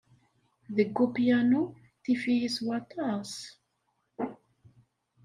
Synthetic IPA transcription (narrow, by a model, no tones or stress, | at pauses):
ðəɡːupjænu | θifijiswɑt̪ˤɑs